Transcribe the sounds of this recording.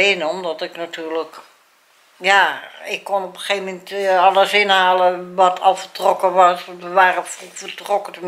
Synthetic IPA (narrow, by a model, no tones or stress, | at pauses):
ɪnɔmdɔtɪknatʰyːrlək | jaɪkːonopəxeːvəmɛntɔləsɪnhaːlˠəʋɔtʰɔlˠfətrokəʋɔsʋəʋaːrəffərtrokətəm